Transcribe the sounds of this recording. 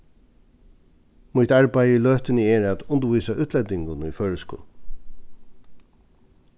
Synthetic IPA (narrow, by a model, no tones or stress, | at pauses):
mʊht̪aɹbajiløːht̪ɪnəɛɹæt̪ʊnd̪əʋujsaʔʉːt̪ʰlɛd̪ɪŋɡʊnifœːɹəskɔ̰l